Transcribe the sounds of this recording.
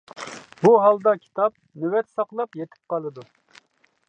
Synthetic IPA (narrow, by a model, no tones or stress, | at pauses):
buɦɑlˠd̪ɑkʲʰi̥t̪ʰɑp̚nywɛt̪sɑqlˠɑpjet̪ʰɪ̥p̚qɑlˠɨd̪u